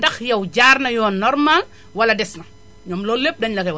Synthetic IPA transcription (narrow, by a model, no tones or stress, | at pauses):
ndɐxjɐwɟaːrnɐjɔːnɔɾmal | wɐlɐdɛsnɐ | ɲɔmlɔːlep̚dɐɲlɐkɛw